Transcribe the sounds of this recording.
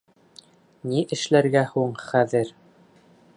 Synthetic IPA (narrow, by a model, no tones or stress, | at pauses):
niʔɘ̆ʃlæɾɡæhuɴχæðɘɾ